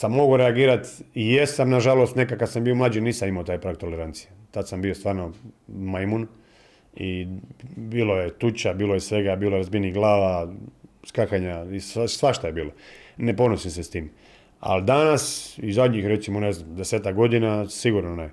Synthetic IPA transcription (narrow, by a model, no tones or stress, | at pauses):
samːo̞ɡuɾeaɡiːɾat̪ijesamnaʒalost̪nekakad̪sambiomlaːd͡ʒiniːsamimaot̪aːjpɾakt̪o̞leɾant̪sijet̪ad̪sambiost̪ʋaːɾno̞majmun | i | biːlojet̪ut͡ɕabiːlojesʋe̞ɡabiːloeɾazbiniɡlˠaːʋa | skaxaɲaisasʋaʃt̪ajebiːlonepo̞nosimsest̪iːm | a̰lid̪anasizad̪ɲixɾe̞t̪simo̞neznamd̪eseːt̪akɡo̞d̪inasiɡuɾnone